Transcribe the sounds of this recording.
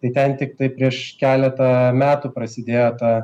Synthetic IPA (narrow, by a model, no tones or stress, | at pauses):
t̪ɐɪt̪ʲɛnt̪ʲɪk̚t̪ɐɪpʲɾʲiɛʃkʲæːlʲɛt̪ɐmʲæːt̪uːpɾɐsʲɪd̪ʲeːjoːt̪ɑː